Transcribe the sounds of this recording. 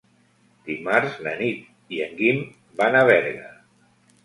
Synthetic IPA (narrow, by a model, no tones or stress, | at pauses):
d̪̥imaɾzlə̰nit̪ | iəŋɡim | banəβɛɾɣə̰